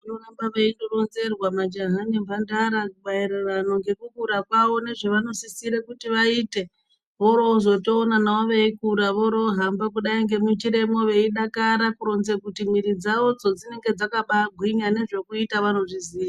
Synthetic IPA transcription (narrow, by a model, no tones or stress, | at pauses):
unorambaʋeindoɾonze̞rwamad͡ʒaɦanemvandaɾakuɓaiɾerano̞ŋɡe̞kukuɾakwaʋo̞ne̞ʐeʋano̞sisiɾekutiʋaite̞ | ʋoɾoːzo̞to̞ːnanawaʋeikuɾaʋoɾoːɦambak̬uɗaiŋɡe̞mut͡ʃiɾe̞mo̞ʋe̞iɗakaɾakuɾo̞nzekutimwiɾid͡zaʋo̞d͡zo̞d͡zine̞ŋɡe̞d͡zakaɓaɡʱwiɲane̞ʐe̞kuitaʋano̞ʐiziːja